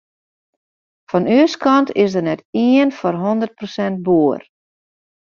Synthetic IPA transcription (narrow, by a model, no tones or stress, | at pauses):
fɔnyəskʰɑntɪsdərnɛtiənfɔrɦondərt̚prosɛnt̚buər